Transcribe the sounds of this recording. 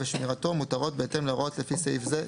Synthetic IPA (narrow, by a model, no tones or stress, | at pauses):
veʃmiʁat̪o̞mutaʁo̞t̪̚beet̪e̞mleʁot̪lefisejfze